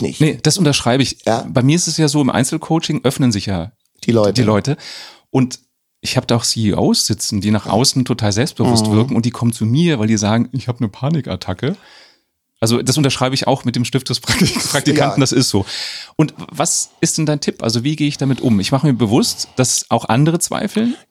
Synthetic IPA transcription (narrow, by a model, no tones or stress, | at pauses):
nəd̥asʔʊntɐʃʁ̥aɪbəɪç̰b̥aɪmiɐɪstɛsjaːzoːɪmʔa̰ɪnt͡sl̩kʰoʊt͡ʃɪŋʔœfnənzɪçjḁː | d̥iːlɔʏtəʔʊnt | ʔɪçhaːbəd̥aːʊxsiiʔo̰ʊsz̥ɪt͡sn̩diːnaχʔa̰ʊsn̩tʰotʰaːlzɛlpst̚b̥əvʊstv̥ɪɐkŋ̩ʊntd̥iːkʰɔmənt͡sumiːɐvaɪldiːzaːɡŋ̩ɪçhaːbənəpʰaːnɪka̰tʰakə | ʔalzod̥asʔʊntɐʃʁ̥aɪbəɪça̰ʊxmɪt̚d̥eːmʃtɪft̚d̥ɛspʁ̥akspʁ̥ak̚tikantn̩d̥asɪstz̥oːʔʊntvasɪst̚d̥ɛndaɪntʰɪpʔa̰lzoviːɡeːəɪçd̥amɪtʔʊ̰mɪçmaχəmiːɐbəvʊstd̥asʔaʊxʔa̰ndəʁət͡sv̥a̰ɪfl̩n